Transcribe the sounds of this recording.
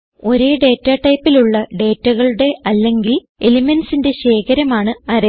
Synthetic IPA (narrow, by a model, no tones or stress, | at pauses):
o̞ɾe̞ːɖe̞ːtːaːʈɐjpːiluɭːɐɖe̞ːtːɐɣɐɭuɽe̞ɐlːe̞ŋɡil | e̞limensinde̞ɕe̞ːkɐɾɐmaːɳɨɐɾɐ